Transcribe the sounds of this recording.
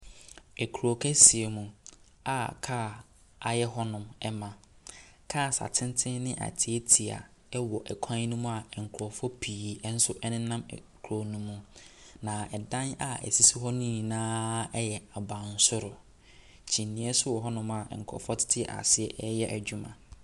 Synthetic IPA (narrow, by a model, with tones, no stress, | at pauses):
ɛ˨kʰu˨ɾo˨kʰɛ˦si˨e˨mũ˨ | a˦˨kʰaː˦˨ | a̰˨jɛ˦ɦɔ˦nʊ̃˨mɛ˦mã˨kʰaː˦˨sa̰˨tʰɪ̃˦n˦tʰɪ̃˦nɪ̃˦ʔa̰˨tʰɪ˨˦e˦tʰi˨a̰˨ | ɛ˦wɔ˨ʔɛ˨kʷʰã˦ɲ˦nũ˦mũ˦a˨ɛ˨ŋ̩˨kʰɾɔ˨fɔ˦pʰiː˨˦n̩˦sʊ˦ʔɛ˦nɪ̃˦nã˦m̰˨ | kʰo˨nũ˦mːũ˨nã˨ɛ˨dã˦na̰˨ɛ̰˨si˦si˦ɦɔ˦nĩ˦˨nãː˦ɛ˦jɛ˨a˨bã˨n̩˨sʊ˦ɾʊ˨ | t͡ɕʰĩ˨n˨nĩ˨˦ɛ˦sʊ˦wɔ˨ɦɔ˦nʊ̃˦ma˨ɛ̰˨ŋ̩˨kʰɔ̰˨fɔ˦tʰɪ̥˦tʰɪ˦ɛ̰˨ʔa̰˨sɪ˦ɛ˨ʔɛ˦jɛ˦ʔæ˨d͡ʑᶣu˦mã̰˨